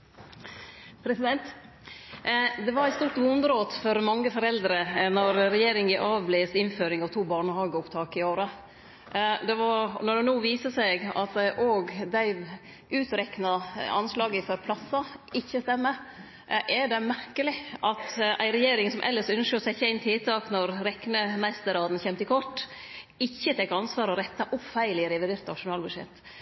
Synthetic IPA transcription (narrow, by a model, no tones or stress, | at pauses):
pʰɾɛsɪd̪ɛnt̪ | d̪ɛʋɑɾæɪt̪st̪uːɾʈ̪ʋʊnəɾoːd̪fɔɾmɑŋːəfɔɾɛld̪ɾənɔɾɾɛjeːɾɪŋɪʔɑːʋbleːsɪnføːɾɪŋɑʋt̪ʰuːbɑːɳəhɑːɡəʊpt̪ʰɑːkɪoːɾə | d̪ɛʋɑɾnɔɖɛnuːʋiːsəsɛɡɑ̰t̪ʔoːɡd̪æɪ | ʉːt̪ɾɛknɑɑ̰nslɑːɡəɪføɾpʰlɑsːɑɪçːəst̪ɛmːə | ʔɛɖɛmæɾkəlɪʔɑt̪ʔæ̰ɪɾɛjeːɾɪŋsɔmʔɛ̰lːəʂœnʃəsɛçːəæɪnt̪ʰɪlt̪ʰɑːknɔɾɾɛknəmæɪst̪əɾɑːd̪n̩çɛmt̪ɪkʰɔʈː | ɪçːət̪ʰɛkɑnsʋɑːɾɔɾɛt̪ːɑʔʊpfæɪlɪɾɛʋɪd̪eːɾt̪nɑʂʊnɑːlbʉʂɛ̰t̪ː